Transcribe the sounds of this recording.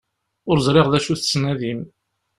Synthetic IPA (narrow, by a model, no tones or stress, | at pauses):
ʊɾzˤɾˤeʁðæʃuθt͡sːnæðim